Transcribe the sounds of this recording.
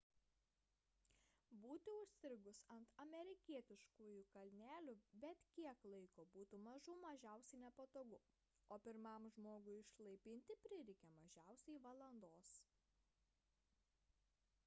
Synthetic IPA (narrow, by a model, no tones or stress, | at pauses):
buːt̪ʲɪʊʃʲsʲɪɾʲɡʊsɐnt̪ɐmʲɛɾʲɪkʲiɛt̪ʲɪʃkuːjukɐlʲnʲæːlʲʊbʲɛt̪kʲiɛklˠɐɪkoːbuːt̪umɐʒuːmɐʒʲæˑʊsʲɛɪnʲɛpɐt̪oːɡʊ | oːpʲɪɾmɐˑmʒmoːɡʊɪɪʃlˠɐɪpʲɪnʲt̪ʲɪpʲɾʲɪɾʲɪkʲɛmɐʒʲæˑʊsʲɛɪʋɐlˠɐnd̪oːs